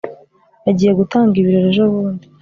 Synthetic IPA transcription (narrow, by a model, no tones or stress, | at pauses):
aɟiːje̞ɡutaːŋɡiβiɾeɾeʒoβuːndi